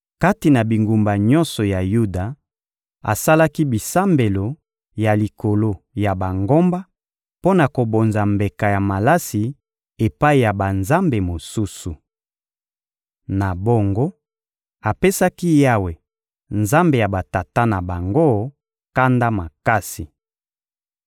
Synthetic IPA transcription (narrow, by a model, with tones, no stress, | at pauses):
ka˦ti˨na˨bi˨ŋɡu˨mba˨ɲɔ̃˦nsɔ˨ja˨ju˦da˨ | a̰˨sa˦la˦ki˦bi˨sa˦mbe˨lo˨ | ja˨li˨ko˨lo˦ | ja˨ba˨ŋɡo˦mba˦ | po˦na˨ko˨bo˨nza˨mbe˨ka˨ja˨ma˨la˦si˨ | e˨pa˦i˨ja˨ba˨nza˦mbe˨mo˨su˦su˨ | na˨bo˦ŋɡo˦ | a˨pe˦sa˦ki˦ja˦we˨ | nza˦mbe˨ja˨ba˨ta˨ta˦na˨ba˨ŋɡo˦ | ka˦nda˦ma˨ka˦si˨